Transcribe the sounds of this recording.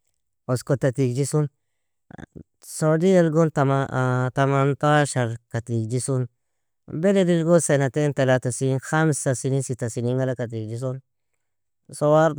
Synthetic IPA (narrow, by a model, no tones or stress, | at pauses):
oskotatikd͡ʒisun | sodielɡontamatamantaʃaɾkatikd͡ʒisun | beledilɡosenatentalatasinxamsasinisitasiniŋɡalakat̬ikd͡ʒis̬un | sowaɾ